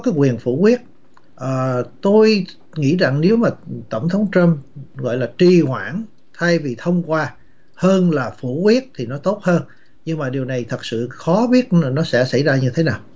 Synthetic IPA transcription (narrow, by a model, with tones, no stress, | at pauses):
kaː˨˦jkwi˨˩ənfṵ˧˩kwi˦˥ət̚ | ʔəː˨˩t̪o˧j | ŋḭ˧˥za̰˧˨ŋne˨˦wmaː˨˩t̪ə˧˩wŋ͡mt̪ʰə˨˦wŋ͡mt͡ɕə˧mɣɔ̰˧˨jlaː˨˩t͡ɕi˨˩hwa̰ː˧˥˩n | t̪ʰa˧jvi˨˩t̪ʰə˧wŋ͡mkwaː˧ | həː˧nlaː˨˩fṵ˧˩kwi˦˥ət̚t̪ʰi˨˩nɔ˨˦t̪o˦˥t̚həː˧n | ɲɨ˧ŋmaː˨˩ɗi˨˩wna˨˩jt̪ʰə˨˩t̚sɨ̰˧˨xɔ˨˦ɓi˦˥ət̚nɔ˨˦sɛ̰˧˥sa̰˧˩jzaː˧ɲɨ˧t̪ʰe˨˦naː˨˩w